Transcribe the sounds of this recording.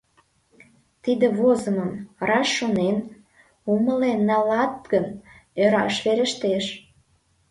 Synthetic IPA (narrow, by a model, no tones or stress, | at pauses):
t̪id̪ĕβozəməmrɑʃːonen | uməlenːɑlɑt̪̚ɡənøɾɑʃβeɾə̆ʃt̪eʃ